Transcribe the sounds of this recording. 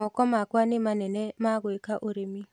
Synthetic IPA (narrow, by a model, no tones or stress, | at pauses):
ɔkɔmakwanɪmanɛnɛmaɡwekaʔoɾemi